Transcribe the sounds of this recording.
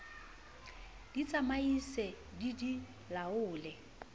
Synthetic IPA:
d̥it͡sʼamaisɛ | didi | laʊːlɛ

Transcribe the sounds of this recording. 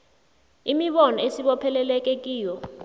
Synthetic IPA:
imiɓɔnɔesiɓɔpʰɛlɛlɛk̬ʼek̬ʼiːjɔ

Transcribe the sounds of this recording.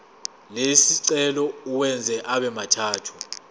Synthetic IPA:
lesiǀɛlɔuwɛnd͡zʱɛʔaɓɛmatʰaːtʰu̥

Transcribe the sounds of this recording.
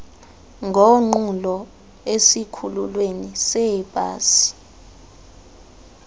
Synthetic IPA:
ŋɡʱɔŋ͡ǃulɔ | esikʰululwenisɛb̥ʱʼa̰ːsi̥

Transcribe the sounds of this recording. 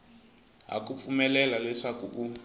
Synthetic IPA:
ɦa̰kup̪fumɛlɛlalɛʂakuu

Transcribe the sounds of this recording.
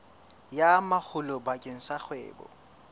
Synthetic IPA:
jamak͡xʰʊlɔbakʼeŋ̩sak͡xʰwɛ̰ːbɔ̰

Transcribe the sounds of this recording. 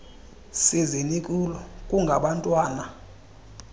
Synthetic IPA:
sizinikʼulɔkʼuŋɡʱaɓantʼwaːna

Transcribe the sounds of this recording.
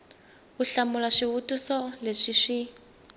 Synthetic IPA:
uɬamulaʂiβutʼusɔleʂiʂi

